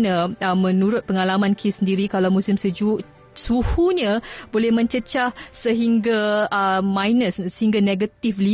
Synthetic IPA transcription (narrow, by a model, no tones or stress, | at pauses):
nãmə̃nũɾʊt̪̚pəŋalamãnkʰisəndiɾikalawmũsɪmsud͡ʒu | suhuɲãbolɛhmə̃ɲt͡ʃət͡ʃahsəɦiŋɡaəmãjnəssəhiŋɡaneɡət̪ifli